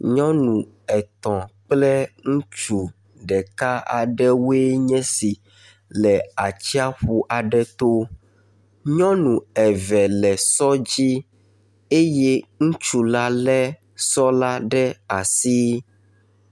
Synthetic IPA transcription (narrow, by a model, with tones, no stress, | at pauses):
ɲɔ̃˦nũ˨ | ɛ˨t̪ɔ̃˨k͡plɛ˦ŋũ˦t͡ʃu˨ | ɖɛ˨ka˦a̰˨ɖɛ˦we˦ɲɛ̃˦si˨ | lɛ˨a˨t͡ɕi˦a˦ɸu˦ʔa˨ɖɛ˦t̪o˦ | ɲɔ̃˦nũ˨ɛ˨vɛ˨lɛ˨sɔ˦d͡ʑi˦ | e˦je˦ŋũ˦t͡ʃu˨la˦lɛ˦ | sɔ˦la˦ɖɛ˦a˨si˦